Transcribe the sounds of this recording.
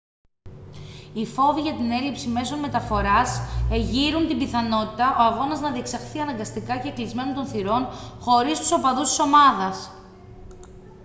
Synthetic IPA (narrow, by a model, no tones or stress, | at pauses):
ifo̞viʝɐt̪ine̞lipsime̞so̞nme̞t̪ɐfo̞ɾɐseʝiɾunt̪imbiθɐno̞t̪it̪ɐʔo̞ɐɣo̞nɐznɐðie̞ksɐxθiɐnɐŋɡɐst̪ikɐce̞ːklizme̞nont̪o̞nθiɾo̞nxo̞ɾist̪u̥so̞pɐðust̪i̥so̞mɐðɐs